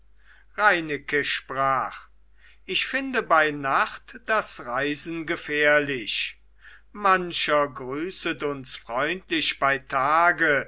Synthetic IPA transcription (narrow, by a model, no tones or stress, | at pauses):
ʁaɪnɪkəʃpʁ̥aːχ | ʔɪçfɪndəbaɪnaχtd̥asʁaɪzn̩ɡəfɛːɐlɪʃ | manɕɐɡʁyːsətʊnsfʁ̥ɔʏntlɪʃb̥aɪtʰaːɡə